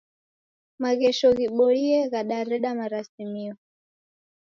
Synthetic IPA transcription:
maɣɛʃɔɣiɓɔliɛɣaɗaɾɛɗamaɾasimiɔ

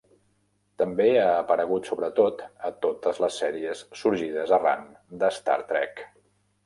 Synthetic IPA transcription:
t̪əmbeaːpəɾəɣ̞ut̪soβɾət̪ot̪ət̪ot̪əzləsːɛɾiəssːuɾʒið̞əzəra̰n | d̪əst̪a̰ɾt̪ɾɛ̰k

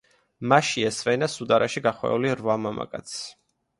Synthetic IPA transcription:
maʃiɛsvɛnasud̪aɾʔaʃiɡaχwɛ̰uliɾvamama̰kʼa̰t̪sʰ

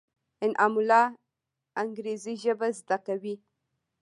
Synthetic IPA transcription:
ɪnʔamulɑ | aŋɡɾeziʒəbazd̪akawi

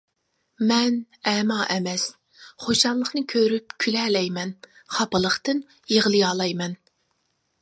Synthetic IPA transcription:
mɛn | ɛːmɑːʔɛmɛs | χoʃɑnlˠəχnɨkʲʰøɾypkʲʰylɛːlɛjmɛn | χɑpəlˠəχt̪ɨn | jeʁlˠɨjɑːlˠɑjmɛn

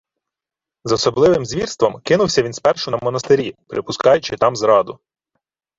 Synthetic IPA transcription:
zɔsɔblˠɪʋɪmzʲʋʲirst̪ʋɔmkɪnʊwsʲɐʋʲinspɛrʃʊnɐmɔnɐst̪eɾʲipɾʔɪpʊskɑjʊt͡ʃɪt̪ɑmzɾɑd̪ʊ

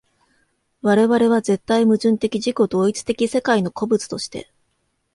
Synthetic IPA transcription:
βaɾe̞βaɾe̞βaze̞t̪ːaimɯ̟ʑɨ̃nt̪e̞kʲiʑiko̞d̪o̞ːit͡sɨ̥t̪e̞kʲise̞kaino̞ko̞bɯ̟t͡sɨ̥t̪o̞ɕi̥t̪e̞̰

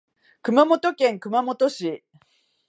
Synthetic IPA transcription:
kɯ̟mamo̞t̪o̞kẽ̞ŋkɯ̟mamo̞t̪o̞ɕi

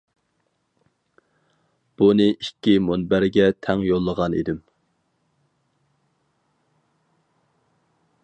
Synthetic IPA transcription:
b̥unɨʔikʲːimonbæɾɡʲɛt̪ʰɛŋjolˠːəʁɑnḭd̪ɪm

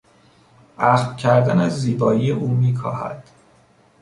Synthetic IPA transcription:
ʔæxt̪cʰæɾd̪ænæzːiːbɒːijeʔuːmiːkʰɒ̰ːhæ̰d̪̥

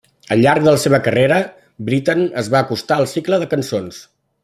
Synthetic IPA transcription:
əʎːaɾk̚d̪ələseβəkəreɾə | bɾit̪ənəzβaəkust̪aəlˠsikləðəkənsons

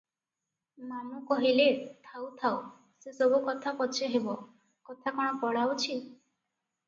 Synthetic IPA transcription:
manukɔɦilet̪ʰawt̪ʰaw | sesɔbukɔt̪ʰapɔt͡ʃʰeɦebɔ | kɔt̪ʰakɔɽ̃ɔpɔɽawt͡ʃʰi

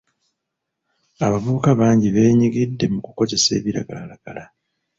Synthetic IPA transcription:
aβaβuːkaβaːɲɟiβe̞ːɲiɡidːe̞mukuko̞ze̞se̞̰ːβiɾa̰ɡalalaɡ̥ala

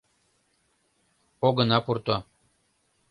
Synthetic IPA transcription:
oɡɤ̆nɑpurt̪o

